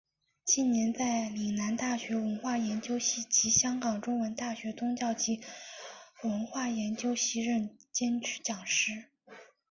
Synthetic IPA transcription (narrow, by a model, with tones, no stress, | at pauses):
t͡ɕi˥˩nnjɛ˧˥nt͡sa˥˩ɪli˨˩na˧˥nt̪a˥˩ɕɥɛ˧˥wə˧˥nxwa˥˩jɛ˧˥nt͡ɕjo˥ʊɕi˥˩t͡ɕi˧˥ɕjɑ˥ŋkɑ˨˩ŋʈ͡ʂʊ˥ŋwə˧˥nt̪a˥˩ɕɥɛ˧˥t͡sʊ˥ŋt͡ɕjɑ˥˩ʊt͡ɕi˧˥ | wə˧˥nxwa˥˩jɛ˧˥nt͡ɕjo˥ʊɕi˥˧ɻə˥˩nt͡ɕjɛ˥nt͡ɕʰy̥˥t͡ɕjɑ˨˩ŋʂɻ̩˥˩